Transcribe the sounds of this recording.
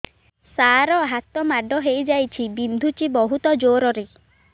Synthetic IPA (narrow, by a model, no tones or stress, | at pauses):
saɾɔɦat̪ɔmaɖɔɦejd͡ʒajt͡ʃʰibind̪ʱut͡ʃibɔɦut̪ɔd͡ʒoɾɔɾe